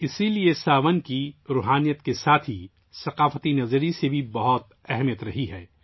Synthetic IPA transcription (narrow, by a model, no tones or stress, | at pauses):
ɪsiliesaːʋənkiɾuːɦaːnijət̪kesaːt̪ʰi | sɐqaːfət̪inɐzɾisebʱibɐɦɔt̪̚ | ɛɦɛmijət̪ɾɐɦiɦɛː